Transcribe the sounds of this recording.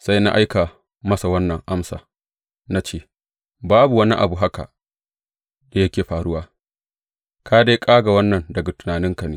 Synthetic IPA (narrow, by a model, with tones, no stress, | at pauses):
sa˦jna̰˦ʔa˦jka˨ | mɐ˦sa˨wɐ˦nːɐ˨ŋʔa˦msa̰ː˨ | na˦t͡ʃeː˦˨ | baː˦bu˨wɐ˦ni˦ʔa̰˨bu˨ɦa˦ka̰˨ | da˨jɐ˦kʲeː˨ɸaː˨ɽʊ˦waː˦ | kʰaː˦da˦kʼaː˦ɡa˨wɐ˦nːɐ˨ndɐ˨ɡa˨tʊ̥˨naː˨nɪ˦ŋka˨neː˦